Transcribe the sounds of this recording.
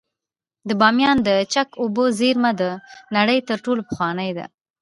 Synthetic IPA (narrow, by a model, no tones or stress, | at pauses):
d̪əbɑmjɑnd̪ət͡ʃakobozeɾmad̪ənaɽəjt̪əɾʈolopəxwɑnəjd̪a̰